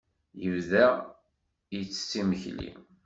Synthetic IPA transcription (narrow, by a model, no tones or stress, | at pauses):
jəvðæ | jət͡sːsːiməçlḭm